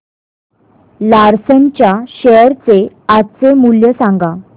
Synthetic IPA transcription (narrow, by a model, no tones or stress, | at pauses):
laɾsənt͡ɕjaɕəɾt͡se | at͡semuljəsãŋɡa